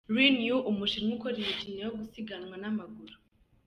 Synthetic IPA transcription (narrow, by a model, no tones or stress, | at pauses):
ɾwinjuʔumuʃiŋukoɾiɾecinejoɡusiɡanwanamaɡuɾu